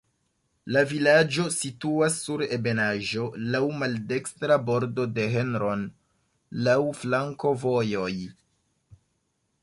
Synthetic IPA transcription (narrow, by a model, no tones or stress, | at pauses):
lavilad͡ʒo̞situasːuɾe̞be̞naʒo̞lawmalde̞kstɾabo̞ɾdo̞de̞ɦe̞nɾo̞n | lawflaŋko̞vo̞jo̞j